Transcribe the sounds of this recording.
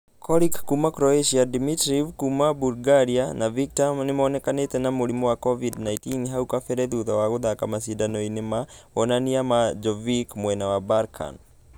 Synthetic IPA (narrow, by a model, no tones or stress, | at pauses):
kɔlikkumakɾɔeʃiadimitɾivkumabuɾɡaɾianaviktamnemɔːnɛkanetɛnamoɾimɔwakɔvidnaitinɦaukafɛɾɛðuðawaɣoðakamasidanɔinemaɔnaniamad͡ʒɔvikmwɛnawabaɾkʰa̰n